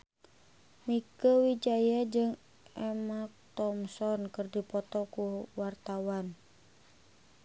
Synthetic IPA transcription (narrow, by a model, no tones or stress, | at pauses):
mikəwid͡ʒajad͡ʒɨŋ | ɛmak̚t̪ɔmsɔnkɨrdipɔt̪ɔkuwart̪awan